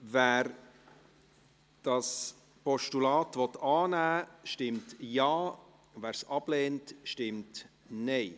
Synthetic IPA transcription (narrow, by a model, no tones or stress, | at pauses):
væːɾ | d̥ɑs | pɔʃtulɑːtvɔtɑːnæːʃtɪmtjɑː | væːɾsɑb̥leːntʃtɪmt | nɛɪ